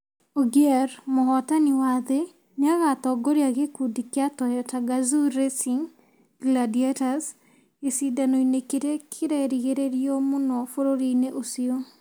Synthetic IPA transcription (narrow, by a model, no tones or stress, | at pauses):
oɡjɛɾmɔhɔtanɪwad̪ɪ | ɲaɣat̪ɔɡoɾjaɡekudikjatɔjɔtaɡazuɾesiŋ | ɡladiatas | ɪsidanoinekeɾekʰɪɾɛɾiɡeɾeɾjomʊnɔfoɾoɾineʔosio